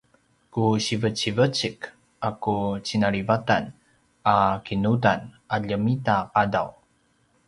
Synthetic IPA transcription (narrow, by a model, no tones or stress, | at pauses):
kuɕivət͡ɕivət͡ɕik | akut͡ɕinaɾivatan | akinutan | aʎəmitaqada̰w